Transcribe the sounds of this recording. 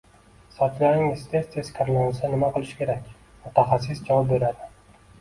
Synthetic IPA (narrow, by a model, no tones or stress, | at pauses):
sɒt̪laɾnɪŋɪst̪ʰest̪ʰeskʲʰaɾlˠanɪsanɪmaqɨlˠɪʃkʲʰe̞ɾakʲ | mʊt̪ʰaχas̬ːɪsd͡ʒɒbeɾad̪ɪ